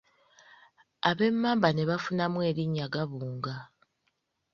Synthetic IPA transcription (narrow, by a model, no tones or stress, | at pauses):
aβe̞mːaːmbane̞βafunamwe̞ːɾiɲːaɡaβuːŋɡa